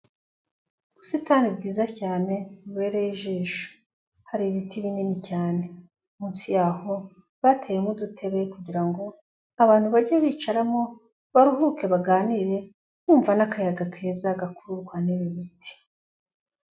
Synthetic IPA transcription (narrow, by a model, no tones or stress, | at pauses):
uβusitanibɡiːzacaːne̞uβe̞ːɾejiʒiːʃu̥ | haɾiβitiβininicaːne̞ | umuːnsijaho̞ | βatʰejemudutʰe̞βekuɟiɾaŋɡo̞ | aβaːn̥huβaɟeβiːt͡ʃaɾamo̞ | βaɾuɦuke̞βaɡaːniɾe̞ | muːɱvanakajaɡakʰe̞ːzaɡakuɾuɡwaneβiβitʰi̥